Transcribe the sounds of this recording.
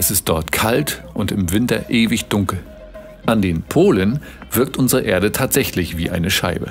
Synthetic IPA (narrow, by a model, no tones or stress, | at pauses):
ʔɛsɪst̚d̥ɔɐtkʰaltʔʊntɪmvɪntɐʔeːvɪçd̥ʊŋkl̩ | ʔandeːnpʰoːlən | v̥ɪɐk̚tʔʊnzəʁəʔeːɐdətʰaːtz̥ɛçlɪçv̥iːʔaɪnəʃa̰ɪbə̰